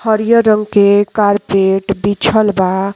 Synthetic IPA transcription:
həɾjəɾəŋɡkekaɾpeʈbit͡ʃʰəlba

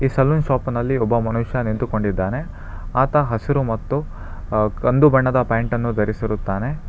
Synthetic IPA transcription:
iːsɐlːunʃaːpnɐlːiɔbːɐmɐnuʂjɐnint̪uko̞ɳɖid̪ːaːne̞ | aːt̪ɐɦɐsiɾumɐt̪ːu | kɐnd̪ubɐɳːɐd̪ɐpɐːɳʈɐnːud̪ʱɐɾisiɾut̪ːaːne̞

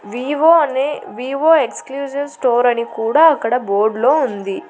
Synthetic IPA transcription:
ʋiːʋoːɐneːʋiːʋoːekskljuːsiʋsʈoːɾɐnikuːɽaːɐkːɐɽɐboːɾɖlo̞ːund̪i

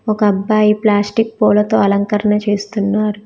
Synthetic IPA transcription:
okɐbːaiplaːsʈik̚poːlot̪oɐlɐŋkɐɾnet͡ʃʰist̪unːaɾ

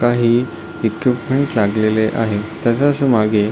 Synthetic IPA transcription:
kaɦiː | ikʋipmeɳʈlaɡleleʔaɦet̪əsaəsəmaɡe

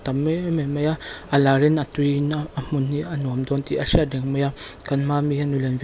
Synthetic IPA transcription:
t̪amememajaalaɾinatuinaamunːianuamd̪ɔnt̪iaʃiadɛŋməjakanmamijanulɛnv

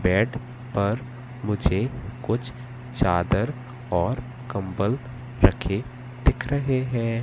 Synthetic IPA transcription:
bɛːɖ | pɐɾ | mʊd͡ʒʱekʊt͡ʃʰ | t͡ʃaːd̪əɾ | ɔːɾ | kɐ̃mbəl | ɾɐkʰe | d̪̥ɪkʰɾəɦeɦɛ̃ː

